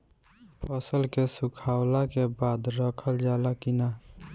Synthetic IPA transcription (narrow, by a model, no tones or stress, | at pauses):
pʰəsəlkesukʰawlakebaːd̪ɾəkʰəld͡ʒalakina